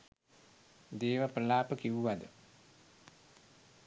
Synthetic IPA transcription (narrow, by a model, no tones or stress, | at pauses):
d̪eːʋaprəlaːpəkiʋuʋad̪ə